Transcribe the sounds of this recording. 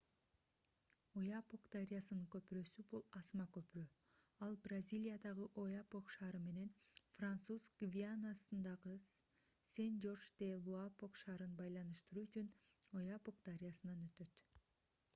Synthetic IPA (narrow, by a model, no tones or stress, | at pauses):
ojapokd̪aɾʲijasɯnɯŋkø̞pɾø̞ːsybulˠɑsmɑkø̞pyɾøː | ɑlˠbrazʲilʲijad̪ɑʁɯʔo̞japoqʃɑːɾɯme̞ne̞nfrant̪suzkɡvʲianasɯnd̪ɑʁɯ | send͡ʒo̞rʃd̪elˠuapo̞qʃɑːɾɯnbɑjlˠɑnɯʃt̪ɯɾuːyt͡ʃyn | ojapok̚d̪aɾʲijasɯnɑnøt̪ø̞t̪